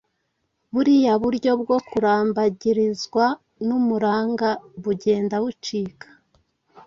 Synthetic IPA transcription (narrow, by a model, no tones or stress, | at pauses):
βuɾijaβuɾɟo̞bɡo̞kuɾaːmbaɟiɾizɡwa | numuɾaːŋɡaβuɟe̞ːndawut͡ʃiːkḁ